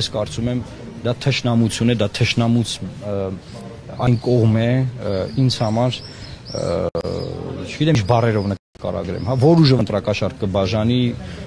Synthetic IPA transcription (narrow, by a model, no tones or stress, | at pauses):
skɑɾt͡sumɛm | d̪ɑt̪ʰəʃnɑmut͡sʰjunɛd̪ɑt̪ʰəʃnɑmut͡sʰ | ɑjnkɔʁmɛ | int͡sʰhɑmɑɾ | t͡ʃʰəɡit̪ɛmt͡ʃbɑrɛɾɔvnə | kɑ̰ɾɑ̰ɡɾɛ̰mɦɑvɔɾuʒəvənt̪ɾɑkɑʃɑɾkəbɑʒɑni